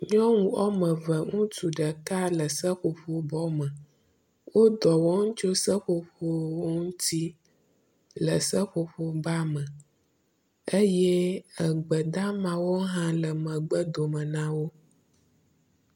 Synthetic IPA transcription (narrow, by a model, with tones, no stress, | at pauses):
ɲɔ̃˦ŋũ˨ɔ˦mə̃˨və˨ŋũ˦t̪u˨ɖə˨ka˦lə˨sə˦ɸo˨ɸo˦bɔ˦mə˨ | wo˦d̪ɔ˨wɔ˦ŋũ˦t͡ʃo˦sə˦ɸo˨ɸo˦ŋũ˦t̪i˦ | lə˨sə˦ɸo˨ɸo˦ba˦mə˨ | e˦jɛ˦ə˨ɡ͡bə˨d̪a˦mã˨wo˦ɦã˦lə˨mə̃˨ɡ͡bə˦d̪o˨mə̃˨nã˦wo˦